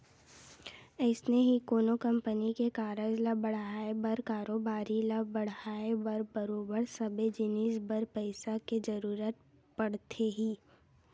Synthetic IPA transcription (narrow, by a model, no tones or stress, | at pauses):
əɪsneɦikoːnokɐ̃mpənikekaːɾəd͡ʒlabɐɽ̤aːebəɾkaːɾoːbaːɾilabɐɽ̤aːebəɾbɐɾoːbəɾsɐbed͡ʒɪniːsbəɾpəɪsaked͡ʒɐɾuːɾət̪ | pɐɽ̤t̪ʰeɦiː